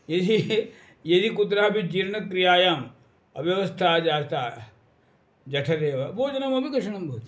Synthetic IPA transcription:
jed̪i | jed̪ikut̪ɾaɦɐbid͡ʒiːɾnɐkɾijaːjaːm | ɐ̰ʋjɐʋɐst̪ʰaːd͡ʒaːɾt̪aː | d͡ʒɐʈʰɐɾeːʋɐboːd͡ʒɐnɐmɐbʱikɐʂɐɳɐmbʱɐɦut̪

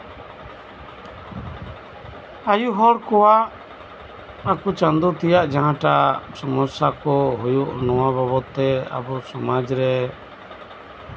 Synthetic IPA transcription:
ajuɦɔɽkɔwaʔ | akut͡ʃãnd̪ɔt̪ijaʔd͡ʒaɦãʈasɔmɔsakɔɦujuʔnɔwababɔt̪ːɛa̰bɔsɔmad͡ʒɾɛ

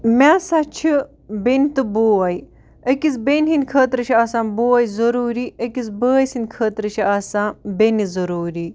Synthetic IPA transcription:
mʲaːsat͡ʃʰi | bent̪ɨboːɐj | əkizbenɦinʲkʰəːt̪ɾɨt͡ʃʰiaːsãːnbuːɐjzɐɾuːɾiːəkizbəːsinʲkʰəːt̪ɾɨt͡ʃʰiaːsãːbenizɐɾuːɾiː

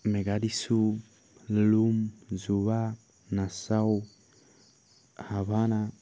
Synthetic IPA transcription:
meɡadisu | lumzuβa | nasau | haβana

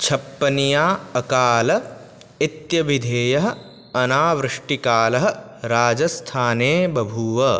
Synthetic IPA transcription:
t͡ʃʰɐpːɐnijaːɐkaːlɐ | it̪jɐʋid̪ʱeːjɐɦɐ̆ | ɐnaːʋɾɨʂʈikaːlɐɦɐ̆ | ɾaːd͡ʒɐst̪ʰaːneːbɐbʱuːʋɐ

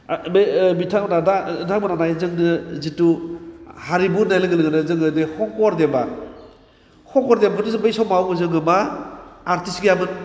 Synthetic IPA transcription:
mebitʰaŋbnadadaŋbɯnanajzɯŋnɯzitu | haɾibunajlɯŋɡɯlɯŋɯnɯzɯŋɯdehɔkɔɾdema | hʰɔkɔɾdemkʰɯtuzɯŋbajsɔmawɯzɯŋɯmaː | ɾtisɡijamɯn

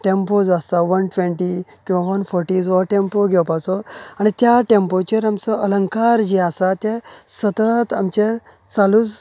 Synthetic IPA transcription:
ʈempod͡zast̪aʋənʈʋẽɳʈikĩw̃ʋaʋənfɔɾʈid͡zʋɔʈempoɡʱɛwpasɔaɽ̃it̪jaʈempot͡ɕəɾamt͡səʔələ̃ŋkaɾd͡ʑiasat̪esət̪ət̪amt͡ɕe | salut͡s

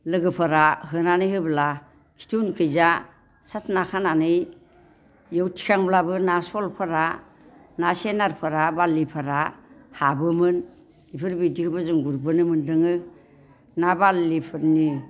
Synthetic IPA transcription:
lɯɡɯpʰɯɾaɦɯnanɯjɦɯbla | kʰi̥tʰunkʰɯjza | satʰnakʰananɯj | jɯwtʰi̥kʰaŋblabɯnasɔlpʰɯɾa | nasenaɾpʰɯɾabalːipʰɯɾahabɯmɯn | ipʰɯɾbidihɯbɯzɯŋɡuɾbɯnɯmɯndɯŋɯ | nabalːipʰɯɾni

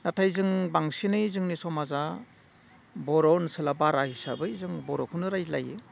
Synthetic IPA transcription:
natʰajzɯŋbaŋsinɯjzɯŋnisɔmaza | bɔɾɔnsɯlabaɾahisa̰bɯjzɯŋbɔɾɔkʰunɯɾajla̰je

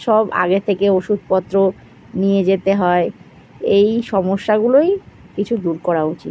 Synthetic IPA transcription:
ʃɔba̰ɡet̪ʰekeoʃud̪̚ʱpɔt̪ːɾo | nijed͡ʑet̪eɦɔe | ejʃɔmoʃːaɡuloj | kit͡ɕʰud̪uɾkɔɾaut͡ɕit

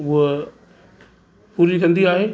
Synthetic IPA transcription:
ʊɦ | puːɾikʰɐ̃nd̪iaːɦeː

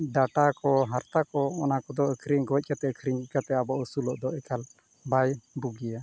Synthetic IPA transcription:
ɖaʈakɔɦaɾt̪akɔːnakɔd̪ɔəkʰɾiŋɡɔɛc̚kat̪ɛəkʰɾiɲkat̪ɛabɔʔəsulɔʔd̪ɔʔɛkal | bajbuɡija

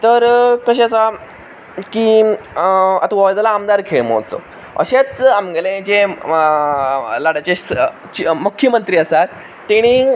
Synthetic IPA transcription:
t̪əɾkəɕesa | ki | a̰t̪aʋɔd͡z̪laːmd̪aɾkʰeɭmo̰t͡so̰ | ə̰ɕet͡samɡəlẽt͡ɕe | laɽat͡ɕe | t͡ɕmukʰjəmənt̪ɾiːəsat̪ | t̪ːeɽ̃i

